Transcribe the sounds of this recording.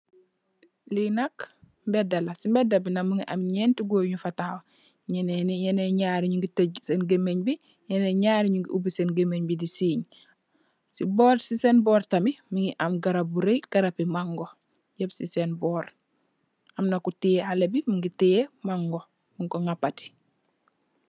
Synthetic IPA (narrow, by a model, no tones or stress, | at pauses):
linak | mbedalasimbedabinamiŋiʔa̰mɲentiɡoɲufataːw | ɲenenijeneɲaɾiɲuŋɡiteɟsenɡemeɲbi | jeneɲaːɾiɲuŋɡiʔubisenɡemeɲbidisiːɲ | sibɔːɾsisenbɔːɾtamimiŋiʔamɡaɾab̚buɾejɡ̥aɾapimaŋɡo | ɟebsisenbɔːɾ | amnakutijehalebimiŋɡitejemaŋɡo | miŋkoŋapati̥